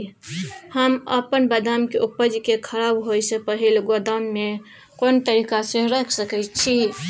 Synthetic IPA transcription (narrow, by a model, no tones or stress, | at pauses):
həmə̰pənbəd̪amkeʔupəd͡ʒkekʰəɾabɦojsepəɦilɡod̪anme | kont̪əɾikasẽɾəkʰsəkɛt͡ʃʰi